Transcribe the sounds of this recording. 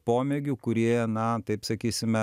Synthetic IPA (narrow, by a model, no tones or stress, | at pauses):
poːmʲeːɡʲukʊɾʲiɛɛnɐt̪ɐɪpsɐkʲiːsʲɪmʲɛ